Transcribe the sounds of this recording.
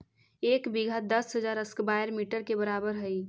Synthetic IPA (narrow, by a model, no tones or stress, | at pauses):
eːkbiɡʱad̪əsɦəzaːɾəskbaːjəɾmiːʈəɾkebəɾaːbəɾɦəi